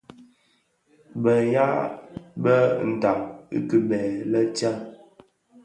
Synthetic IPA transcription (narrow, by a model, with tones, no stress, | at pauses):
bə˨ja˦bə˦˨n̩˨ta˨ʔ̚ḭ˦kə˨bɛ˨lə˦t͡ʃa˦